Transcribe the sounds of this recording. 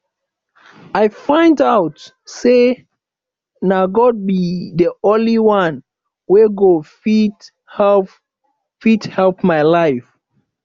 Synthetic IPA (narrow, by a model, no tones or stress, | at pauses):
ajfãɪ̃ndaʊt | se | naɡɔd̚biðəɔ̃nliwãn | weɡofi | fithɛlpmaɪlaɪf